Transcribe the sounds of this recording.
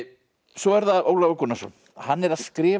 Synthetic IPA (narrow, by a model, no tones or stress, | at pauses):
sɔɛɾðaoːwlavakʰɔnːasɔ̰ | hanːɛɾaðskɾɪː